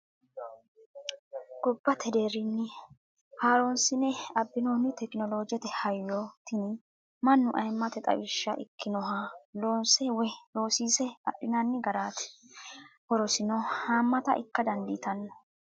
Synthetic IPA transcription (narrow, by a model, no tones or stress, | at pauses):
ɡ̥ɔbːɐt̪ʰɛd̪eːɾɪnːɪ | haːɾonsɪnɛɐbːɪnoːnːɪt̪ɛkɪnɔloːd͡ʒɪjɛt̪ɛhɐjːot̪ʰɪnɪ | mɐnːʊʔɐjmːɐt̪ɛt̪ʼɐ̰wɪʃːɐʔɪ̰kːɪnɔɦɐloːnsɛwɛlo̞ːsiːsɛɐ̰ɗɪnanːɪɡɐɾaːt̪ɛ̥ | hɔɾɔsɪnɔhaːmːɐt̪ɐ̰ʔɪ̰kːɐd̪ɐnd̪ɪt̪ɐnːɔ